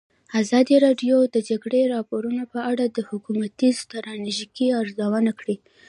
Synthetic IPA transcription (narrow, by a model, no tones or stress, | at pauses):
azɑd̪iɾɑɖjod̪əd͡ʒaɡɽeɾɑpoɾunopəaɽad̪əhʊkumat̪ist̪aɾɑneʒikiaɾzawanakɽi